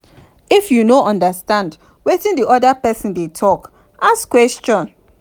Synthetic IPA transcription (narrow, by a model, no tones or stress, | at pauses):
ifjunoʔɔ̃ndastãnd | wetĩndiʔɔdapɛsĩndetʰɔk | ʔaskwɛst͡ʃɔ̃n